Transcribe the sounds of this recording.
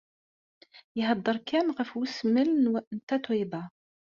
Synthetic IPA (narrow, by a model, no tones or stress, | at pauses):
jhɑd̪ˤːəɾˤkænʁəfwəsməlnwnt̪æt̪wiba